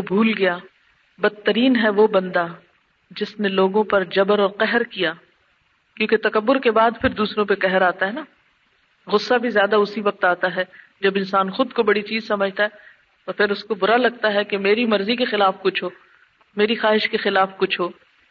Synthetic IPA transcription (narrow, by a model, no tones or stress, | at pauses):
obʱuːlɡɐjaː | bɐd̪̚t̪ːɐɾiːnɦɛʋobɐ̃nd̪a | d͡ʒɪsneloːɡõpɐɾd͡ʒɐbəɾɔːɾqɛɦɾkijaː | kjõːket̪ɐkɐbːʊɾkebaːd̪pʰɪɾd̪uːsɾõpekɛɦɛɾaːt̪aɦɛna | ɣʊsːabʱizjaːd̪aʊsiʋɐq̚t̪aːt̪aɦɛd͡ʒɐbɪ̃nsaːnxʊd̪kobɐɽit͡ʃiːzsɐməd͡ʒʱt̪aɦɛ | t̪oːpʰɪɾʊskobʊɾalɐɡ̚t̪aɦɛkemeːɾimɐɾzikexɪlaːfkʊt͡ʃʰɦoː | meːɾixaːɦɪʃkexɪlaːfkʊt͡ʃʰɦoː